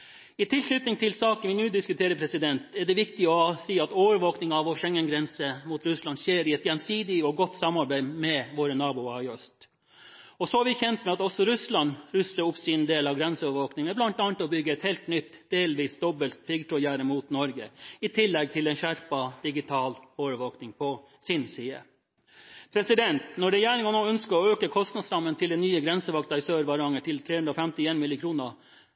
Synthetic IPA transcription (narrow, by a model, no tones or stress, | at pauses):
ɪt̪ʰɪlknʏt̪nɪŋt̪ʰɪlsɑːkənʋɪnʉːd̪ɪskʉt̪ʰeːɾəpʰɾɛsɪd̪ɛnt̪ɛɖɛʋɪkt̪ɪɔsiːɑt̪oːʋəɾʋoːknɪŋɑʋɔʂɛŋːənɡɾɛnsəmuːt̪ɾʉslɑnd̪ʂeːɾɪɛt̪jɛnsiːd̪ɪɔɡɔt̪ːsɑmɑɾbæɪmɛʋoːɾənɑːbʊɑɔst̪ | ɔsɔɑɾʋɪçɛnt̪mɛɑt̪ɔsɔɾʉslɑnɾʉsəɾʊpsɪnd̪eːlɑʋɡɾɛnsəɔːʋəɾʋoːknɪŋəblɑnt̪ɑːnt̪ɔbʏɡːəɛt̪heːlt̪nʏt̪d̪̥eːlʋiːsd̪ɔbəlt̪̚pʰɪɡt̪ʰɾɔjæːɾəmuːt̪nɔɾɡəɪt̪ʰɪlːɛɡ̚t̪ʰɪlɛnʃæɾpɑd̪̥ɪɡɪt̪ʰɑːloːʋəʋoːknɪŋpʰɔ | sɪnsiːə̰ | pʰɾɛsɪd̪ɛnt̪nɔɖɛjæːɳɪŋɑnoːœnskəɔøːkəkʰɔst̪nɑd̪sɾɑmːənt̪ʰɪld̪ɛnyːəɡɾɛnsəʋɑk̚t̪ɑɪsøːɾʋɑɾɑŋəʈʰɪlt̪ʰɾeːʉnd̪ɾɔfɛmt̪ɪeːnmɪlɪkʰɾuːnə